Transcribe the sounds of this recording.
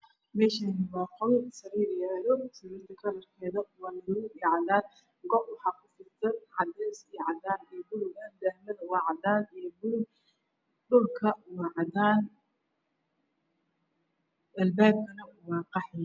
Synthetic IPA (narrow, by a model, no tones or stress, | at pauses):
mɛːʃɐnɐwɑːqɔwsɐɾiːɾjaːɾɔsɐɾiːrt̪ʰɐkʰɐɾɐrkʰɛːðɐwɑːnɐɾuːɾijʕɑðaːl | ɡɔwɑħɑːkʰʊfɪrsɐnʕɑd̪ɛːsijʕɑd̪aːnijɔbʊɾʊɡɐnd̪ahmɐðɐwɑːʕɑd̪aːnijɔbʊɾʊb̚ | ɗʊlkʰɐwɑːʕɑd̪aːn | ɐlbaːb̚kʰɐnɐwɑːqɑħɪj